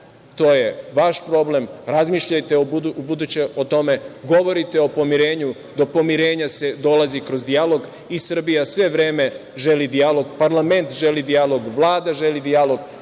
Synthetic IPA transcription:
t̪o̞ːje̞ʋaʃpɾo̞ble̞mɾazmiːʃʎajt̪e̞d̪ubud̪ut͡ɕeot̪o̞me̞ɡo̞ʋo̞ɾit̪e̞o̞po̞miɾe̞ːɲu | d̪o̞po̞miɾe̞ːɲase̞d̪o̞lˠazikɾo̞zd̪ijalˠoɡ | isr̩bijasʋe̞ʋɾe̞ːme̞ | ʒe̞lid̪ialo̞ɡpaɾlˠame̞nt̪ʒe̞lid̪ijalo̞ɡʋlˠaːd̪aʒe̞lid̪ijalo̞ɡ

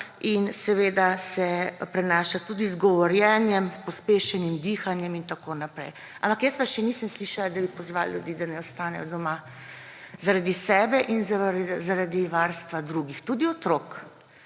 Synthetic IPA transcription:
insɛʋeːd̪asɛpɾɛnaːʃat̪ud̪izɡɔʋɔɾjɛnjɛmspɔspeːʃɛnimd̪iːxanjɛmint̪akonapɾɛ̰j | a̰mpakjəsʋaʃɛniːsəmsliʃalad̪abipɔzʋa̰lljud̪iːd̪anɛɔst̪aːnɛjɔd̪ɔma | zaɾad̪isɛːbɛʔinzazaɾad̪iʋaɾst̪ʋad̪ɾuɡixt̪ud̪iɔt̪ɾok

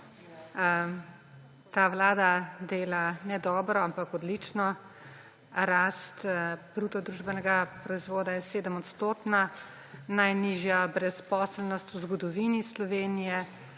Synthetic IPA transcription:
t̪aːʋlaːd̪ad̪eːlanɛd̪ɔːbɾɔampakɔd̪lit͡ʃnɔ | ɾast̪b̥ɾuːt̪ɔd̪ɾuʒbɛnɛɡapɾɔizʋoːd̪ajɛseːd̪əmɔt̪st̪oːt̪na | najniʒjabɾɛspɔːslnɔst̪uzɡɔd̪ɔʋinislɔʋeːnijɛ

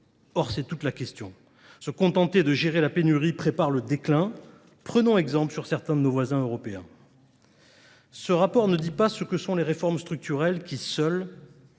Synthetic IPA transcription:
ɔʁsɛt̪ut̪lakʲɛst̪jɔ̃ | səkɔ̃t̪ɑ̃t̪ed̪əʒeʁelapenyʁipχepaʁləd̪eklɛ̃ | pχənɔ̃ɛɡzɑ̃pləsyʁsɛʁt̪ɛ̃d̪ənovwazɛ̃øʁɔpeɛ̰̃ | səʁapɔʁnəd̪ipasəkəsɔ̃leʁefɔʁmst̪χyk̚t̪yʁɛlkʲisœl

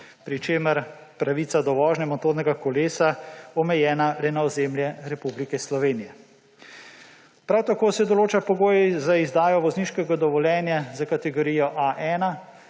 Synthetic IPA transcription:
pɾit͡ʃeːməɾ | pɾaʋit̪sad̪ɔʋɔːʒnɛmɔt̪oːɾnɛɡakɔleːsaɔmɛjɛːnalɛnaɔzemljɛɾɛpublikɛslɔʋeːnijɛ | pɾawt̪akoːsɛd̪ɔloːt͡ʃapɔɡoːjɛzaizd̪aːjɔʋɔzniːʃkɛɡad̪ɔʋɔljɛːnjazakat̪ɛɡɔɾiːjɔʔaʔɛːna

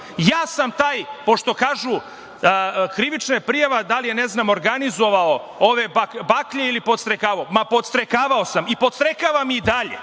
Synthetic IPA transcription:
jaːsamt̪aːjpo̞ʃt̪o̞kaːʒu | kɾiʋit͡ʃnapɾijaʋad̪alijeneznaːmo̞ɾɡanizo̞ʋao | oʋebakbakʎeilipod̪st̪ɾekaːʋaomapo̞d̪st̪ɾekaːʋao̞samipod̪st̪ɾekaʋamiid̪aʎḛ

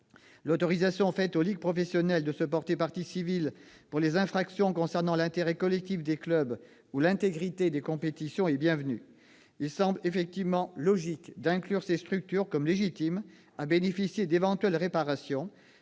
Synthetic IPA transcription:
lot̪ɔʁizasjɔ̃fɛt̪oliɡ̚pχɔfɛsjɔnɛld̪əsəpɔʁt̪epaʁt̪isivil | puʁlezɛ̃fχaksjɔ̃kɔ̃sɛʁnɑ̃lɛ̃t̪eʁɛkɔlɛk̚t̪ifd̪eklœb | ulɛ̃t̪eɡʁit̪ed̪ekɔ̃pet̪isjɔ̃ɛbjɛ̃vny | ilsɑ̃blefɛk̚t̪ivmɑ̃lɔʒikd̪ɛ̃klyʁsest̪χyk̚t̪yʁkɔmleʒit̪im | abenefisjed̪evɑ̃t̪ɥɛlʁepaʁasjɔ̃

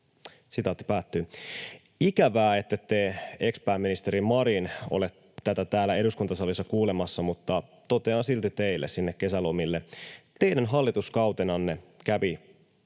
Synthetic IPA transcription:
sit̪ɑˑot̪ːi̥pæːt̪ːyː | ikæʋæːet̪ːet̪ːeekspæːmːinist̪eɾimɑɾino̰let̪ | t̪æt̪æt̪æːlːˑæe̞duskunt̪ɑsɑlisːɑkuːlemɑsːɑmut̪ːɑ | t̪o̞t̪eɑnsilt̪it̪e̞ilːʔessinːekkːe̞sælomilːet̪e̞inænɦɑlːit̪uskɑwt̪enɑnːekæʋi

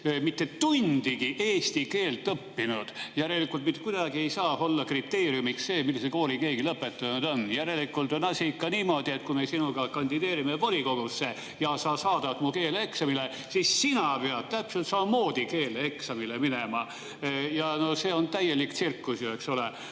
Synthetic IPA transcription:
mit̪ːe̞t̪und̪̥iɡiʔeːst̪ike̞ːlt̪ːˑɤpːinud̪̥jæɾelikˑult̪mit̪ːˑekujd̪ɑɡie̞jsɑːo̞lːɑkrit̪ːe̞ːɾijumiksse̞ːmilːiseko̞ːlike̞ːɡilɤpːe̞t̪ːˑɑnud̪o̞njæɾe̞likːˑult̪onɑsikːˑɑniːmo̞d̪ie̞t̪̚kume̞sinuɡɑkɑnʲd̪id̪e̞ːɾimevoliko̞ɡ̥usːe | jɑsɑːsɑːd̪̥ɑt̪muke̞ːleksɑmile | sissinɑpeɑd̪̥̚t̪æpselt̪sɑmɑmo̞ːd̪̥ike̞ːleeksɑmileminemɑ | jɑno̞se̞ːo̞nt̪æje̞lik̪sirkːusjue̞ksole

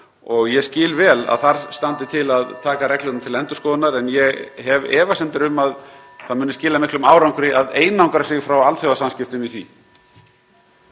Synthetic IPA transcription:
ɔɣjɛscɪːlvɛːla̰ðθaɾ̥st̪ant̪ɪt̪ʰɪlaðt̪ʰaːkaɾɛklɪt̪nt̪ʰɪlɛnt̪ʏ̥skɔːðʏnaɾɛnjɛɣhɛvɛ̰ːvasɛnt̪ɪɾʏmað | θaðmʏːnɪscɪːlamɪhklʏmaːwɾawŋkɾɪʔaðeːjnawŋkɾasɪɣfɾawalt̪θjɔwðasamscɪft̪ʏmiθvḭ

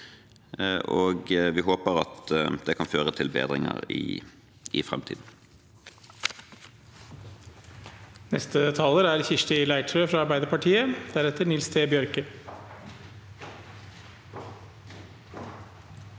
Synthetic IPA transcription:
ʔoːɡʋɪɦoːpəʁɑ̰t̪d̪̥ɛkʰɑnføːʁət̪ʰɪlbḛːd̪ʁɪŋə̰ʁɪ̰ | ʔɪfʁɛ̰mt̪ʰḭːd̪n̩ | nɛst̪ət̪ʰɑːləɾæɾçɪʂʈɪlæɪʈʰɾøːfɾɑɑɾbæɪd̪əɾpɑʈʰiːəd̪̥æɾɛt̪ənɪlst̪ʰeːbjœɾkə

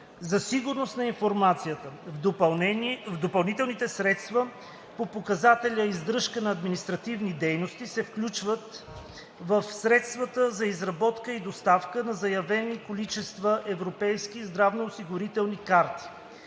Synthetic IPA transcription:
zɐsiɡʊɾnost̪nɐinfoɾmat̪sijət̪əvˠɛvd̪opɐlˠnit̪ɛlˠnit̪ɛsɾɛt̪st̪və | popokɐzat̪ɛlʲəizd̪ɾɤʃkənɐːd̪minist̪ɾɐt̪ivnid̪ɛjnost̪isɛfklʲut͡ʃvət̪ | vəfsɾɛt̪st̪vɐt̪əzɐizɾɐbɔt̪kəid̪ost̪afkənɐzɐjɐvɛnikolit͡ʃɛst̪vəʔɛvɾopɛjskiːzd̪ɾavnoːsiɡʊɾit̪ɛlˠnikaɾt̪i̥

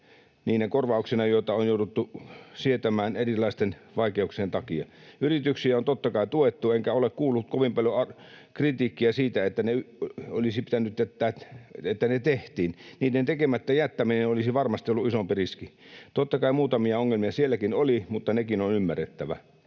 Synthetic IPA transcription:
niːnækorʋɑˑuksenɑjoˑit̪ɑonjoˑudut̪ːusiet̪æmæːnerilˑɑˑist̪enʋɑˑikeuksient̪ɑkiɑ̰yrit̪yksiæont̪ot̪ːɑkɑˑit̪uet̪ːueŋkæolekkuːlːut̪̚koʋimpɑljoɑ | krit̪iːkːiæsiːt̪æet̪ːæneo̰lisipit̪ænyt̪jæt̪ːæːt̪et̪ːænet̪eht̪iːnniːtːent̪ekemæt̪ːæjæt̪ːæminenolisiʋɑrmɑst̪ioluisompiriskit̪ot̪ːɑkɑimuːt̪ɑmiɑoŋːelmiɑsielːækinolimut̪ːɑnekinonymːæret̪ːæʋæ̰

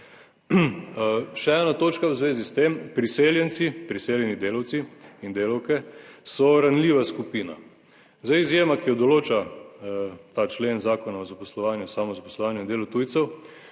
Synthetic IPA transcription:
ʃɛɛːnat̪oːt͡ʃkawzʋeːzist̪empɾiseːljɛnt̪sipɾiseːljɛnid̪eːlawt̪siind̪eːlawkɛsɔɾanliːʋaskupiːna̰ | zaizjeːmakijɔd̪ɔloːt͡ʃa | t̪aːt͡ʃleːnzaːkɔnaɔzapɔslɔʋaːnjasamɔzapɔslɔʋaːnjʊind̪eːlɔt̪uːjt̪sɛw

